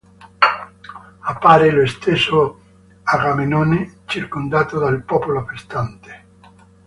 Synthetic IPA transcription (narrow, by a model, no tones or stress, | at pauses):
apːaɾeloest̪eso | aɡamenonet͡ʃiɾkond̪at̪od̪alpɔpoloafest̪ant̪e̥